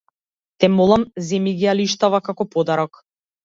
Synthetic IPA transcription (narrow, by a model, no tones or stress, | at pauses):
t̪ɛmɔlˠamzɛmiɡialiʃt̪avakakɔpɔd̪aɾɔk